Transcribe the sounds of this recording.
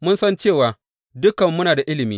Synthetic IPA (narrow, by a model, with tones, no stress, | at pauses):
mʊ˦nsɐ˦nt͡ʃeː˦˨waː˨ | dʊ˦kɐ˨mːʊ˦naː˨da˨ʔɪ˦lɪ˨miː˦